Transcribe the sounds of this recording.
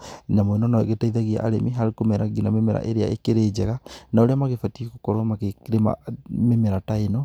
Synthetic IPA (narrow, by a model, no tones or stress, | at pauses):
namonɔnaeɣetaiðaɣia̰ʔaɾemiɦaɾikomɛɾaɡinamemɛɾa̰ʔeɾea̰ʔekeɾed͡ʒɛɣanaoɾeamaɣefatikokɔɾomakekɾema̰memɛɾatainɔ